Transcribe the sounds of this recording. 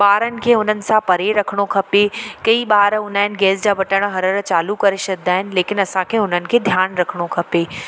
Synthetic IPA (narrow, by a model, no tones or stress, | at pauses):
baːɾənɪ̆kʰeːʊn̤ənɪ̆sãpɐɾeɾɐkʰɪɽ̃okʰɐpekɐiɓaːɾʊnaːɪnɪ̆ɡɛːsd͡ʑaːʋɐʈəɽ̃ɦɐɾəɾt͡ɕaːlukɐɾesɐk̚d̪aːɦɪnɪ̆leːkɪnɐsãkʰeːʊn̤ənɪ̆kʰeːd̪ʱjaːnɾɐkʰɽ̃okʰɐpeː